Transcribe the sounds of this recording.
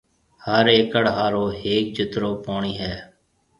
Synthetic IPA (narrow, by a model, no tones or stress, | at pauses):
həɾeːkəɽɦaːɾoːɦeːk̚d͡ʒɪt̪ɾoːpoːɳiːɦɛː